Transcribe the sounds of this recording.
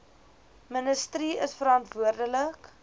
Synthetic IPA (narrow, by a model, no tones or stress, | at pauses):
mənəstɾiəsfəɾɑntvuərdələk